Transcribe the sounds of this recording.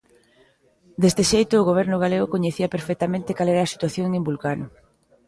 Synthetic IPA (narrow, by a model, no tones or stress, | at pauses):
d̪est̪eʃejt̪ʊːɣoβ̞ɛɾnʊɣ̞aleɣʊkoɲeθiɐpeɾfek̚t̪amẽnt̪ɪkalɛɾaːsi̥t̪waθjoŋembulkan